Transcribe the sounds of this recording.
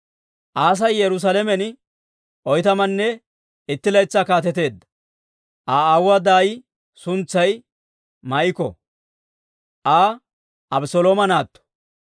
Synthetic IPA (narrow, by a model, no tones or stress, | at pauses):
ʔaːs̬ɐjjɛɾʊs̬ɐlɛmɛn | ʔɔjt̪ɐmɐnːɛ | ɪt̪ːɪlɐjt͡sːɐkaːt̪ɛt̪e̞ːd̪ːɐ̥ | ʔaːɐwːɐd̪aːj | sʊnt͡sːɐj | mɐʔɪkɔ̰ | ʔaː | ʔɐbsɔloːmɐnaːt̪ːɔ̥